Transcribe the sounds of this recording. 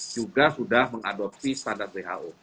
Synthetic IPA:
d͡ʒuɡasudahməŋadɔp̚sist̪andar̚deɦa̰ʔo

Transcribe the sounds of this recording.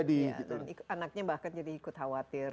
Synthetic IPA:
adiɡiuikanak̚ɲabahkand͡ʒadiːkʊt̪hawat̪ɪr

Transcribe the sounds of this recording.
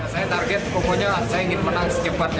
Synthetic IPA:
sajat̪arɡɛt̪̚pokɔɲaasajaiŋɪnmənaŋsə̥d͡ʒəpat̪̚k

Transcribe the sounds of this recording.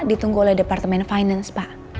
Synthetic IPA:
dit̪uŋɡuolɛhdepart̪əmɛnfajnanspaʔ

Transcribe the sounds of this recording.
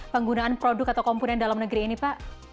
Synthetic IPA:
pəŋɡunaʔanpɾodʊkat̪awkɔmpunɛndalamnəɡɾiːnipaʔ

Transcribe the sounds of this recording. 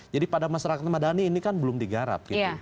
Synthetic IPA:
d͡ʒadipadamaʃaɾakat̪̚madaniːnikanbəlʊmdiɡaɾa̰p̚ɡ̥ita

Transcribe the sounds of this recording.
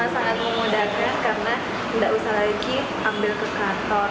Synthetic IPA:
asaʔat̪̚məmudakankaɾəna | ndaʔusahlaiki | ʔambɪlkəkat̪ɔr

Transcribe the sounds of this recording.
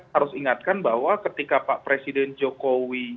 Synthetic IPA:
aɾʊsiŋat̪̚kanbaɦwakət̪ikapaʔpɾesidɛnd͡ʒokowi

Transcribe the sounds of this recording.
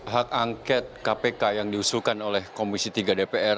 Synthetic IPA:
ɦakaŋkɛt̪̚kapekajaŋdiusukanolɛhkomisit̪iɡadepeɛr

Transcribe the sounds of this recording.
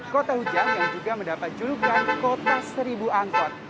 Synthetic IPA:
kot̪ahud͡ʒanjaŋd͡ʒuɡaməndapat̪̚d͡ʒuɾuɡankot̪asəɾibuaŋkɔt̪̚

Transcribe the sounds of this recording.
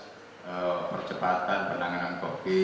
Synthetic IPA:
əpərt͡ʃəpat̪anpərnaŋanankofi

